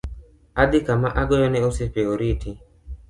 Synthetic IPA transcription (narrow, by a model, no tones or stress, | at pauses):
ad̪ikamaʔaɡɔjɔnɛusipeoɾitʰi